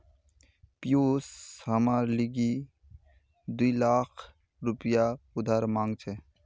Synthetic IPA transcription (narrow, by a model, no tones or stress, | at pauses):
pjoːsɦəmaɾliɡi | d̪uilakʰ | ɾʊpijaʊd̪ʱaːɾmãːŋɡt͡ʃʰɛ